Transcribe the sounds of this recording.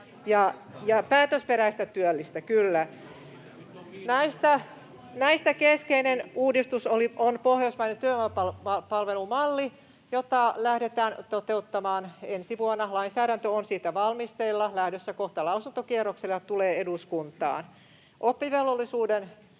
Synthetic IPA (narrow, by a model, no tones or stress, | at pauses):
jɑjɑpæːt̪øspeɾæist̪æt̪yølːist̪ækylːæ | næist̪æ | næist̪ækeskeinenuːdist̪usoliʔonpohjosmɑinent̪yømpɑlɑpɑlʋelumɑlːi | jot̪ɑlæhdet̪æːnt̪ot̪eut̪ːɑmɑːnensiʋuonːɑlɑinsæːɾænt̪øonsiːt̪æʋɑlmist̪eilːɑlæhdøsːækoht̪ɑlɑusunt̪okierokselːɑt̪uleːeduskunt̪ˑɑ̰ːn | ʔopːiʋelʋolːisuːden